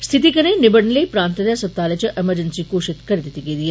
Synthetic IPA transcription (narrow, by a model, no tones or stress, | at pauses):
st̪ʰɪt̪ikɐnenɪbɐɽnlepɾãːnt̪ɐd̪jasɐt̪aːlet͡ʃɐʔeməɾd͡ʒənsikoːʃɪt̪kɐɾid̪ɪt̪iɡed̪ie